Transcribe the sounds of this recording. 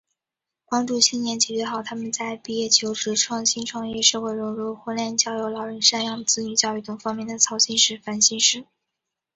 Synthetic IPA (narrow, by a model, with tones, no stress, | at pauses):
pɑ˥ŋʈ͡ʂu˥˩ɕi˥˩njɛ˧˥nt͡ɕjɛ˨˩t͡ɕɥɛ˧˥xɑ˨˩ʊt̪ʰa˥mə˨nt͡sa˥˧ɪpi˥˧jɛ˥˩t͡ɕʰjo˧˥ʊʈ͡ʂɻ̩˧˩ʈ͡ʂʰwɑ˥˧ŋɕi˥nʈ͡ʂʰwɑ˥˧ŋjɛ˥˧ʂɤ˥˧ʊxwe˥˩ɪɻʊ˧˥ɻu˥˧˩xwɔ˥ljɛ˥˩nt͡ɕjɑ˥ʊjo˧˥ʊlɑ˨˩ʊɻə˧˥nʂa˥˧njɑ˥˩ŋt͡sɹ̩˥ny˧˥t͡ɕjɑ˥˧ʊy˥˩ʈ͡ʂ̪ʊ˨˩ŋfɑ˥ŋmjɛ˥˩nd̪ə˩t͡sʰɑ˧˥ʊɕi˥nʂɻ̩˥˩fa˧˥nɕi˥nʂɻ̩˥˩